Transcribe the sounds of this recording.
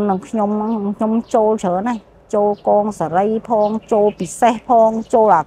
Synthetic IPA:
nɨ˨ŋkʰɲo˧mŋkʰɲo˧mt͡ɕoː˧lt͡ɕʰəː˨˦nə˧j | t͡ɕoː˧lkɔː˧ŋsa˨ɾə˧jpʰɔː˧ŋt͡ɕoː˧lpi˨˩sɛ˧hpʰɔː˧ŋt͡ɕoː˧la˨˩

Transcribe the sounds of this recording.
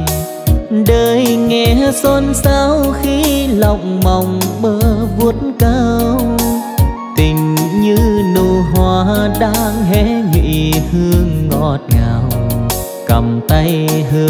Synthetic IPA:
ɗəː˨˩jŋɛ˨˩sɔ˧nsaː˧wxi˧la˨wŋ͡mma˨˩wŋ͡mɓəː˧˦˩vu˧˦ət̚nkə˧ | t̪ï˨˩ŋ̟ɲɨ˧nu˧˨˩ɦwaː˨˩ɗaː˧˥ŋɦɛ˧˥ŋwḭ˧˨h̪ɨ˧əŋːɔ̰˧˩t̚ŋaː˨˩w | kə˨˩mt̪ə˧jh

